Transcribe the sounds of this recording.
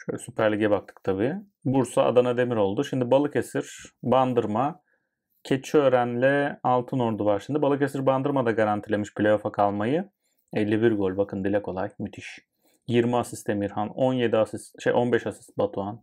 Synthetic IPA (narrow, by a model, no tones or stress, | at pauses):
ʃølsypʰæɾlʲiɟɛbak̚t̪ʰɯ̥k̚t̪ʰabiː | buɾsaa̰d̪anad̪e̞miɾo̞lˠd̪uʃimd̪ibalˠɯkesiɾ̥band̪ɯɾma | cʰet͡ʃʰiøɾænlʲɛalˠt̪ʰɯno̞ɾd̪uvaɾʃimd̪ibalˠɯkesiɾband̪ɯɾmad̪aɡaɾant̪ʰilʲe̞miʃpʰlʲejo̞fakʰalˠmajɯ | ɛlʲːibiɾɡo̞lʲbakʰɯnd̪ilʲɛkʰo̞lˠajmyt̪ʰiʃ | jiɾmiasist̪emiɾhano̞nje̞d̪iasisʃḛjʔo̞nbɛʃasi̥sbat̪ʰuan